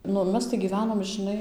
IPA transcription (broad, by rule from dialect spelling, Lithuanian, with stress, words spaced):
ˈnʊ ˈmʲɛs tɐɪ ɡʲiːˈʋʲæːnoːm ʒɨˈnɐɪ